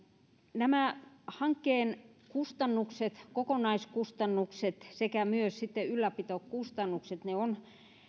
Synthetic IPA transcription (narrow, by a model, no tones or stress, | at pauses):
næmæhɑŋkːeːnkust̪ɑnːukset̪kokonɑiskust̪ɑnːukset̪sekæmyøssit̪ːeylːæpit̪oˑkkust̪ɑnːukset̪neon